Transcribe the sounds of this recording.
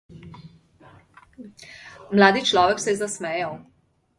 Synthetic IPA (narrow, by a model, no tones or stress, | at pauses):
mlaːd̪it͡ʃlɔːʋɛksɛjɛzasmɛːjaw